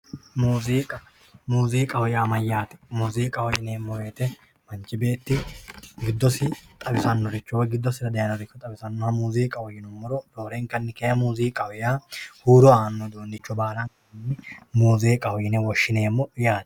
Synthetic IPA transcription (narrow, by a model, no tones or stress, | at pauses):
muːziːkʼɐ | muːziːkʼɐwɔjaːmɐjaːt̪ɛ̥muːziːkʼɐhɔjɪneːmːɔweːt̪ɛ | mɐnt͡ʃʼːɪbe̞ːt̪ːɪɡɪd̪ːɔsɪt̪ʼɐbɪsɐnːɔɾɪt͡ʃːɔwɡɪd̪ːɔsɪɾɐd̪ɐjɐnɔɾɪkːɔt̪ʼɐbɪsɐnːɔhɐmuːziːkʼɐwɔjɪnɔmːɔɾɔd̪oːɾɛŋkɐnːɪkɛjɐmuːziːkʼɐwɪjaːhuːɾɔaːnːɔd̪oːnd̪ɪt͡ʃːɔbaːɾɐŋkɐnːɪmuːzeːkʼɐwɔjɪnɛwɔʃːɪneːmːɔjaːt̪ɛ̥